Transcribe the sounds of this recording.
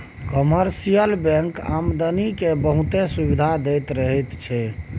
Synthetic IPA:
kɔməɾsijəlbɛ̃ŋka̰md̪ənikebəɦũt̪esubid̪ʱad̪ɛjt̪ɾəɦɛt̪t͡ʃʰɛ

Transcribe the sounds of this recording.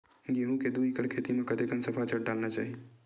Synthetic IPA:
jeɦũked̪uikəɽkʰeːt̪imẽkɐd̪ekənsɐpʰat͡ʃəɽ̚ɖaːlnat͡ʃa̰ːɦie

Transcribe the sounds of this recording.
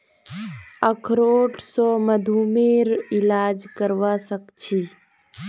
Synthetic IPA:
əkʰɾoːʈʰsoːməd̪ʱuːmeːɾɪlaːd͡ʒkəɾʋaːsəkt͡ʃʰiː

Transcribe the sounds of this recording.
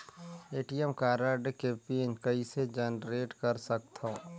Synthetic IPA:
eːʈijəmkaːɾaɾɖekeːpinkəised͡ʒɐnɾeːʈkɐɾsək̚t̪ʰã

